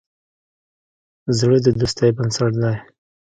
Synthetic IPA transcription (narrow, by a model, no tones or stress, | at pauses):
zɽəd̪əd̪ust̪ajbənsaʈd̪aj